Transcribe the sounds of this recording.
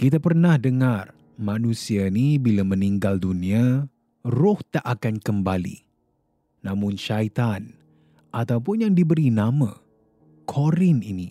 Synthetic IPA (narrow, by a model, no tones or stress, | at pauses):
kit̪apərnahdəŋar | mãnusianibilaməniŋɡaldunia | rʊht̪aʔakankəmbalḭː | ãmʊnʃajt̪an | ʔat̪awpʊnjaŋdibəɾinamã | kʰoɾɪnḭni